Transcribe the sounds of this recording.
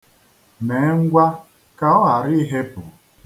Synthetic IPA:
me˨˦ŋ̩˦ɡʷa˦ | ka˦ɔ˦a˨ɾɪ˦ɦe˦pʊ̰˨

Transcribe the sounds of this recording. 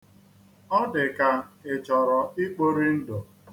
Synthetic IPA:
ɔ˦dɪ˨ka˨ɪ˨t͡ʃɔ˨ɾɔ˨i˦k͡po˦ɾi˦n̩˦dɔ˨

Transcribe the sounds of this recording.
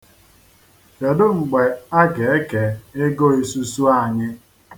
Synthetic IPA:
ke˨dʊ˦ŋ͡m̩˨ɡ͡be˨a˦ɡe˨e˦ke˨e˦ɡo˦e˦su˦su˦a˦˨ɲɪ˦

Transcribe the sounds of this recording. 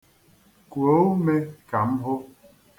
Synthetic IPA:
ku˨o˦wme˦ka˨m̩˦ɦo˦

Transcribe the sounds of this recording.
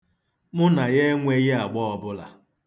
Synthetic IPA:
mʊ˦na˨je˦ŋʷe˦ɣɪ˦a˨ɡ͡bɔ˦ɔ˨bʊ˦la̰˨

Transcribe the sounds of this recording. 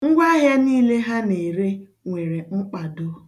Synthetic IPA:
ŋ̩˦ɡʷa˦ɦa˦niː˦le˦ɦa˦ne˨ɾe˦ | ŋʷe˨ɾe˨ŋ͡m̩˦k͡pa˨do˦

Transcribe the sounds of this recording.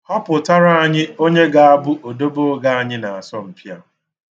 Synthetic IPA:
hɔ˦pʊ˨ta˦ɾa˦a˨ɲɪ˦o˦ɲe˦ɡa˨a˦bʊ˦ʔo˨do˦bo˦ɡa˦˨a˨ɲɪ˦na˨a˨sɔ˦m̩˨pja˨

